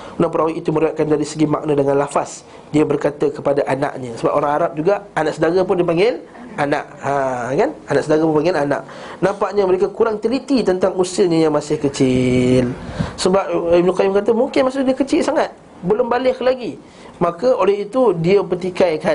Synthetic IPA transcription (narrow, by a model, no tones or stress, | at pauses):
unapəɾawiʔit̪uməɾiaʔ̪̚kandaɾisəɡima̰ʔnədəŋãnlafas | diəbərkat̪əkəpadaʔana̰ʔɲəsəbap̚ʔoɾaŋaɾap̚d͡ʒuɡaanaʔsədaɡap̬ʊndipaŋɡɪl | ana̰ʔakananaʔsədaɡapunpaŋɡɪlana̰ʔ | nãmpaʔɲəməɾekakuɾaŋt̪əlit̪it̪ənt̪aŋusəɲəjaŋmasɪhkət͡ʃɪlsəbap̚ib̚nukajumkat̪̬əmuŋkɪnmas̬ʊhdiəkət͡ʃɪlsaŋat̪̚ | bəlʊmbalɪhlaɡi | makəolɛhit̪udiəpət̪ikajkan